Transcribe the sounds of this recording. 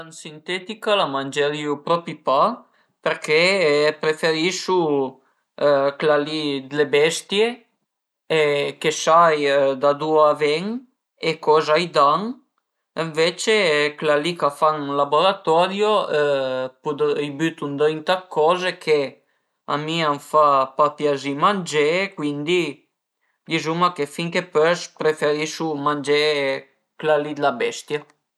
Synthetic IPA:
ansint̪ɛt̪ikalamand͡ʒeɾiupɾɔpipa | peɾkeɛpɾefeɾiʃu | klalid̪lebɛst̪je | ekesajd̪ad̪uavɛŋ | ekɔzajd̪aŋ | eɱvet͡ʃeklalikafaŋlaboɾat̪ɔɾjo | pud̪jbyt̪und̪ɔjnt̪akʰːɔːzekʰe | a̰miaɱfapapjazimand͡ʒekwind̪i | dizumakefiŋkepøspɾefeɾiʃumand͡ʒe | klalid̪labɛst̪ja

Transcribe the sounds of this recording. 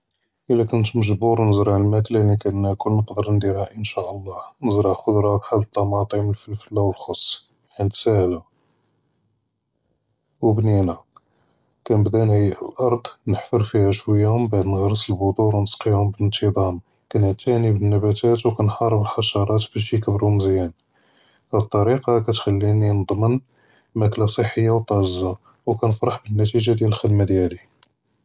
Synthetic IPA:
ʔəlːækʊnt̪məʒbuɾˤnəzɾɑʕəlmæt̪lænikænkulnəqd̪əɾnd̪iɾhæʔənʃæʔəlˤːɑnəzɾˤɑxʊd̪ɾˤɑbħalːət̪ˤːɑmɑt̪ˤiməlfəlfəlːæwəlxosˤː | ħinət̪sæhla | wbninæ | kænəbd̪ænhəjːəʔə̰lʔɑɾˤd̪ˤnəħfəɾˤfihæʃwəjːæhʊmbaʕd̪nəɣɾˤəsəlbʊd̪ˤuɾwnəsqihʊmbəlnt̪ʰid̪ˤɑm | kænəʕt̪ænibənːæbæt̪æt̪wkænħɑɾˤəbəlħɑʃɑɾˤɑt̪bæʃ̬jəkəbɾuməzjæn | dæt̪ˤːɑɾiqɑkæt̪xælːininəd̪ˤmən | mæklasˤəħːəjːawt̪ˤɑza | wkænəfɾˤɑħbənːæt̪iʒad̪jæləlxəd̪mad̪jæli

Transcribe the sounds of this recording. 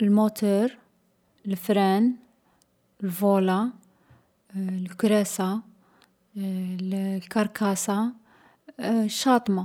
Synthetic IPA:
əlmot̪ʰuɾ | əlfɾɛn | lvola | lkɾɛsa | lkɑɾkasa | ʃːɑt̪ˤma

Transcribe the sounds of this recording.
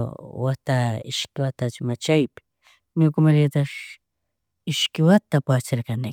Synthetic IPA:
wat̪aɪʃkɪwat̪at͡ʃmat͡ʃajpɪ̥ | mokʊmaɾjat̪aʃ | ɪʃkɪwat̪apat͡ʃeɾkane

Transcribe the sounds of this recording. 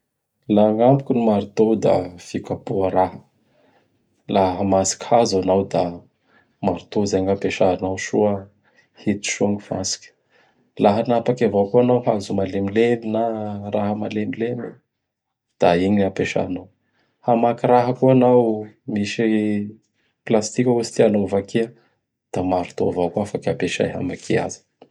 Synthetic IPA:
laŋampukʲinimaɾit̪owd̪a̰fikapuəɾahə̥ | laɦəmasi̥kʲhazanawd̪a | maɾit̪ozeɲapeʃanawʃuə | hit̪u̥ʃuŋifa̰si̥kʲə̥ | laɦənapakavakuanawɦazumalemileminaraɦəmalemilemi | d̪̥aiɲapeʃa̰naw | hamakiɾaɦəkuanawmiʃi | plast̪ikʲəusi̥t̪ianovakeə | d̪̥amaɾut̪o̰vakuafakapeʃa̰jɦa̰makʰia̰zi̥

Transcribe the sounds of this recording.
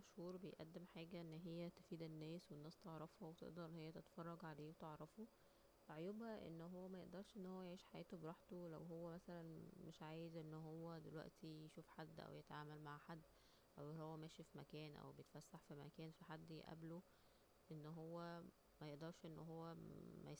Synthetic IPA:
æʃhuːɾˤbejʔæ̰d̪ːemħaːɡæʔenːɦejːæt̪e̥fiːd̪enːæːswenːæːst̪eʕɾˤɑfhowet̪ḛʔd̪ɑɾˤʔenːhejːæt̪et̪æ̥fɑrˤːɑɡʕaleːwet̪eʕɾˤɑfo | eʕojobhæʔḛnːɦowːæmæjeʔd̪ɑɾˤʃʔenːhowːæjeʕiːʃħajæːt̪obeɾɑːħt̪olæ̰wɦowːæmæsælænmeʃʕaːjezʔenːɦowːæd̪elwæ̰ʔt̪ʰijʃuːfħad̪ːʔæ̰wjet̪ʕaːmælmaʕħad̪ː | ʔæwhowːæmæːʃifimæ̰kæːnʔæ̰wbejet̪fæsːaħfimæ̰kæːnfiħad̪ːiʔæ̰blo | ʔenːɦowːæ | mæjeʔd̪ɑɾˤʃʔenːɦowːæmæ̰

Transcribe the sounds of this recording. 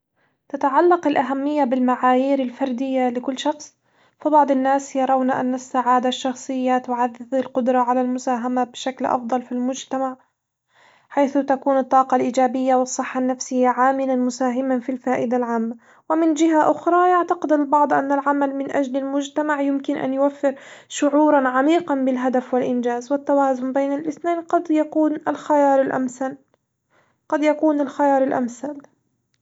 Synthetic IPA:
t̪at̪aʕalːɑqɪlʔaɦamːɪjːabɪlmaʕaːjiːɾalfɑɾˤd̪ɪjːalɪkʊlːʃɑxsˤ | fibɑʕd̪ˤɪnːaːsjɑɾˤɑwnaʔa̰nːasːaʕaːd̪aʃːɑxsˤɨjːat̪ʊʕaðːɪðalqʊd̪ɾˤɑʕalalmʊsaːɦamabɪʃaklʔɑ̰fd̪ˤɑlfilmʊd͡ʒt̪amaʕ | ħajθʊt̪akuːnɨt̪ˤːɑːqɑlʔiːd͡ʒaːbɪjːawɨsˤːɨħːanːafsɪjːaʕaːmɪlanmʊsaːɦɪmanfilfaːʔɪd̪alʕaːmːa | wɪmɪnd͡ʒɪɦaʔʊxɾˤɑːjaʕt̪aqɪd̪albɑʕd̪ˤʔa̰nːalʕamalmɪnʔad͡ʒlalmʊd͡ʒt̪amaʕjʊmkɪnʔa̰njʊwafːɪɾʃʊʕuːɾˤɑnʕamiːqɑnbɪlɦad̪afwɪlʔɪnd͡ʒaːzwɪt̪ːawaːzʊmbejːnalʔɪθneːnqɑd̪jauːnalxajɑːɾˤɪlʔaman | qɑd̪jakuːnalxajɑːɾˤɪlʔa̰mθal

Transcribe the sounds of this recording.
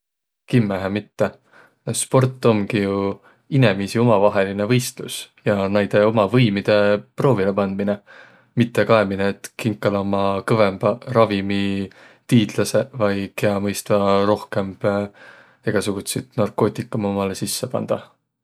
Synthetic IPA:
kimːæɦemit̪ːe̞ | spo̞rt̪ːˑo̞mɡ̥iju | inemisio̞mɑvɑɦe̞line̞vɤ̞jst̪lusjɑnæjd̪̥e̞o̞mɑvɤjmid̪̥e̞pro̞ːvilepɑnd̪̥̚mine | mit̪ːˑe̞kɑemineːt̪kiŋkːˑɑlɑomɑkɤve̞mb̥ɑɾɑvimi | t̪iːd̪̥lɑse̞vɑjkeɑmɤjst̪vɑɾo̞hke̞mb̥ | eɡ̥ɑsuɡ̥ut̪sit̪nɑrko̞ːt̪ˑikːˑɑmomɑlesisːepɑ̰nd̪̥ɑ

